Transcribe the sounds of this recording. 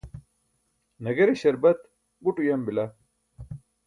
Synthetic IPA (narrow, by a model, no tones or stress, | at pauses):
nɐɡɐɾeɕɐɾbɐt̪ | ɡuʈujɐmbila